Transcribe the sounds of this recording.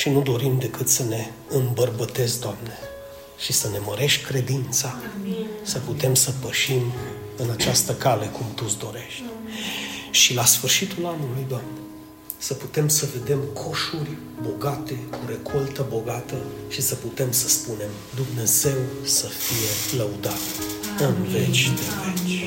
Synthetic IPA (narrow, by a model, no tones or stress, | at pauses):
ʃinud̪o̞ɾimd̪e̞kɨt̪səne̞ | ɨmbərbət̪e̞zd̪oamne | ʃisəne̞məɾe̞ʃtʲkɾe̞d̪int̪sa | səput̪e̞msəpəʃim | ɨnat͡ʃast̪əkale̞kumt̪usd̪o̞ɾe̞ʃt̪ʲ | ʃilasfɨrʃit̪ulanulujd̪oamne | səput̪e̞msəve̞d̪e̞mkʰo̞ʃurʲ | bo̞ɡat̪e̞kʰuɾe̞kʰo̞lt̪əbo̞ɡat̪əʃisəput̪e̞msəspune̞m | d̪umne̞ze̞wsəfije̞ləud̪at̪ɨnve̞t͡ʃʲd̪evet͡ʃ